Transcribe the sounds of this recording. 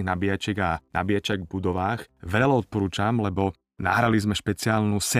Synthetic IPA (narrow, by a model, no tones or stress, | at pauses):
nabijat͡ʃɪɛɡanʔa̰bijat͡ʃaɡbud̪ɔʋaːxʋɛʎlaɔt̪̚pɔɾuːt͡ʃamlɛbɔ | na̰ɦɾalizmɛʃpɛt͡sɪaːlnusɛ